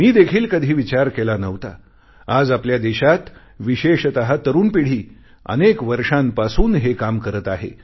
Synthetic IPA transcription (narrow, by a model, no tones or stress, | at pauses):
miːd̪ekʰiːlkəd̪ʱiːʋit͡ɕaɾkelanəʋt̪a̰ | ad͡zapljad̪eɕat̪ | ʋiɕeɕt̪əɦat̪əɾuːnpiɽ̤iː | ə̰nekʋəɾʂampasuːnɦekamkəɾət̪aɦḛ